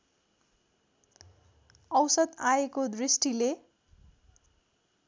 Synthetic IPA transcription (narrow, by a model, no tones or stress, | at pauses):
ʌwsʌd̪aekod̪risʈile